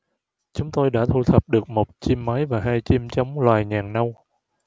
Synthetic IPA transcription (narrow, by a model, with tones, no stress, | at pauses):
t͡ɕʊ˨˦ŋ͡mt̪o˧jɗa̰ː˧˥t̪ʰu˧˩t̪ʰə˨˩p̚ɗɨ˨˩ək̚mo˨˩t̚t͡ɕi˧mːa˨˦jvaː˨˩ɦaː˧jt͡ɕi˧mt͡ɕə˨˦wŋ͡mlwaː˨˩jɲaː˨˩ŋna˧w